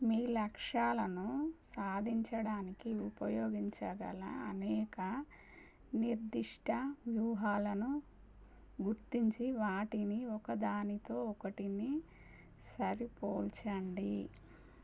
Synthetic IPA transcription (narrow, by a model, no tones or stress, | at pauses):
miːlɐkʂaːlɐnusaːd̪ʱiɲt͡ʃɐɽaːnikiupɐjoːɡiɲt͡ʃɐɡɐ̰lɐ̰ɐnɛːkɐ | niɾd̪iʂʈʰɐʋjuːɦaːlɐnu | ɡuɾt̪iɲt͡ʃiʋaːʈiniɔkɐd̪aːnit̪oːɔkɐʈini | sɐɾipoːlt͡ʃɐɳɖi